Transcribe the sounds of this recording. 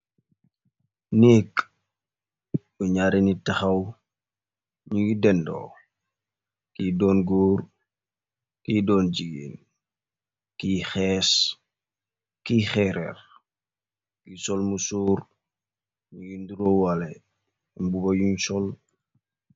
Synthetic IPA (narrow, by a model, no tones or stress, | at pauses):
nɛːk | buɲaɾenitɐxɐw | ɲuɡidɛndɔ̰ː | kiːdɔːnɡoːr | kiːdɔːnd͡ʒiɡḛːn | kiːxɛːs | kiːxɛɾɛ̰r | kisɔlmusuːr | ɲuɡinduɾɔːwalɛ | mbubɐjuɲsɔl